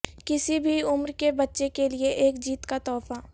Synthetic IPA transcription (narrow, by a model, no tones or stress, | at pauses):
kɪsibʱiʊmɾkebɐtːʃekelieʔeːkd͡ʒiːt̪kat̪ɔːfa